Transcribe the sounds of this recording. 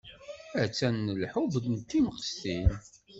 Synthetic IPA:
æt͡sːænːəlħuvd̪nt̪ːiməqə̥st̪in

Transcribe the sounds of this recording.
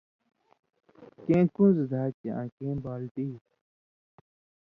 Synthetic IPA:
kẽːkũːzəd̪ʱaːt͡ɕeãːkẽːbaːlt̪iː

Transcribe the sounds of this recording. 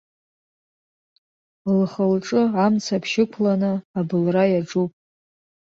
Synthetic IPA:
lχəlʈ͡ʂʼɨamt͡sʰapʰʃɪkʷʰlanɨabɨlrajaʈ͡ʂupʼ

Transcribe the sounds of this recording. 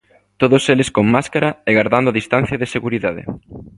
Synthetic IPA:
t̪oðoselɪskoŋmaskaɾɐɛɣaɾðand̪ʊaðist̪ãn̟θjɐðɪseɣuɾiðaðɪ̰

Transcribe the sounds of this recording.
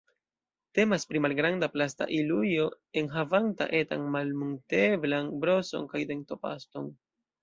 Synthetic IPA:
te̞maspɾimalɡɾandaplasta̰ʔilujo̞ | e̞nɦavanta̰ʔe̞ta̰nmalmuŋte̞blanbɾo̞so̞̰nkajdeŋto̞pa̰ston

